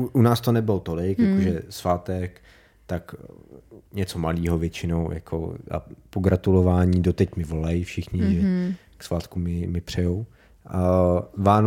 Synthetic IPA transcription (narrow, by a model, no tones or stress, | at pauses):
ʔunaːst̪onɛbɪlot̪o̞lɪkjakoʒɛsvaːt̪ɛk | t̪ak | ɲɛt͡somaliːɦovjɛt͡ʃɪnowja̰kʰo̰a̰poɡɾat̪ulovaːɲiːdot̪ɛcmɪvo̞lajɪfʃɪxɲɪʒɛ | ksvaːt̪kumɪmɪpr̥ɛjow | vaːn